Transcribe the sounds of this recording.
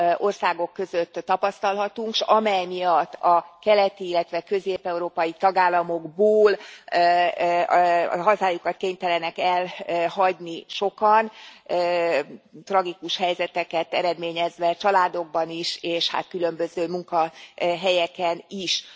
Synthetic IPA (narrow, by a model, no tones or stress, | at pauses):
ʔo̞rsaːɡo̞kːø̞zøt̪ːɒpɒst̪ɒlɦɒt̪uŋkʃɒmɛjmijɒt̪ːɒkɛlɛt̪iilːɛt̪ʋɛkø̞zeːpɛuɾoːpɒjit̪ɒɡaːlːɒmo̞ɡboːl | ɦɒzaːjukɒt̪̚keːɲt̪ɛlɛnɛkɛlɦɒɟniʃo̞kɒnː | t̪rɒɡikuʃhɛjzɛt̪ɛkɛt̪ɛɾɛd̪meːɲɛzʋɛt͡ʃɒlaːd̪o̞ɡ̚bɒniʃeːʃha̰t̪kylø̞mbøzøːmuŋkɒɦɛjɛkɛniʃ